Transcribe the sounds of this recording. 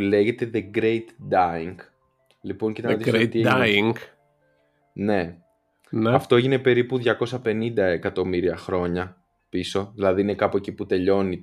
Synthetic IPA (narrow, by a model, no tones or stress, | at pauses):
le̞ʝe̞t̪eðe̞ɡɾejt̪d̪ɐiŋɡ | lipo̞ŋcit̪ɐmɐtist̪iiŋɡ | ne̞ | nɐft̪oe̞ʝine̞pe̞ɾipuðʝɐko̞sɐpe̞nind̪ɐekɐt̪o̞miɾiɐxɾo̞ɲɐ | piso̞ðilɐðiine̞kɐpoeciput̪e̞ʎo̞ni